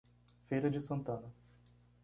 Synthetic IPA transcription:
fejɾɐd͡ʒɪsɐ̃nt̪ɐ̃nɐ

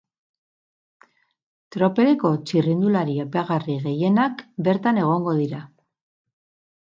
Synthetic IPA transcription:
t̪ɾo̞pe̞ɾeko̞t͡ʃirind̪ulaɾiepeaɣariɣe̞je̞nakbe̞ɾt̪ane̞ɣ̞o̞ŋɡo̞ðiɾa

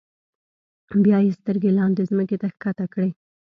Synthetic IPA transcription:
bjɑjest̪əɾɡelɑnd̪ezməket̪axkat̪akɽe

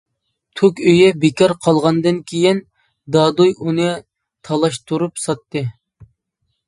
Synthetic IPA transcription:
t̪ʰukʲøjɛbekɑɾqʰɑlˠʁɑnd̪ɨnkʲʰejin | d̪ɑːd̪ujʔunɨ | t̪ʰɑlˠɑʃt̪ʰuɾupsɑt̪ːɨ

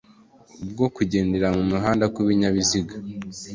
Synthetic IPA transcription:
ub̚ɡo̞kuɟe̞ːndeɾaŋumuɦaːndakwiβiɲaβiziɡa

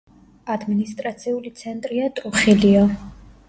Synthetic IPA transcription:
ad̪minist̪ʼɾat̪sʰiulit̪sʰɛnt̪ʼɾiat̪ʼɾuχiliɔ

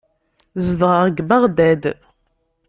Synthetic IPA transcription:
zðʁəʁɡbəʁd̪æd̪

